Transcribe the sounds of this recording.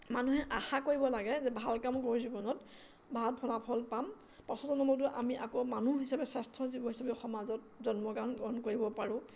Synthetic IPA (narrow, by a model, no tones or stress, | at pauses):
manuɦɛʔaxakoɹibɔlaɡɛzɛbʱalkamkoɹizubɔnɔt | bʱaat̚pʰɔlapʰɔlpam | pɔsɔzɔnɔmɔt̬ʊʔamiʔakomanuɦisapɛsastʰɔzibɔɦisapɛɔxɔmazɔt̚ | zɔnmɔkanɡɔnkoɹibɔpaɹʊ̃